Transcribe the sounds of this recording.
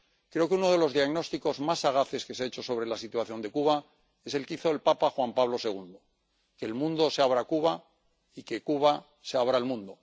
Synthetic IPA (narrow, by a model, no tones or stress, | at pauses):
kɾe̞okeuno̞ðe̞lo̞zðiaɣno̞st̪iko̞zmasaɣ̞aθe̞ske̞seaet͡ʃo̞so̞βɾe̞lasit̪waθjo̞nd̪e̞kuβa | e̞se̞lkeiθo̞elpapaxwampaβlo̞se̞ɣ̞und̪o̞ | ke̞ːlmũnd̪o̞seaβɾakuβa | ike̞kuβa | se̞aβɾaelmũnd̪o̞